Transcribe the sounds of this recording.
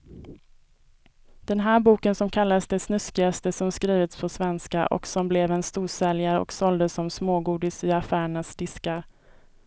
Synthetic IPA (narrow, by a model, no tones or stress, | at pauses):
d̪̥ɛnɦæːɾbuːkənsɔmkʰalːadsd̪ɛsnɵskɪast̪əsɔmskɾiːvɪt̪spʰɔsvɛnskaʔɔ̰ksɔmblɛvɛnst̪uːʂɛljaɾəɔ̰ksɔld̪əsɔmsmoːɡuːd̪ɪsɪafæːɾəɳasd̪̥ɪskaɾ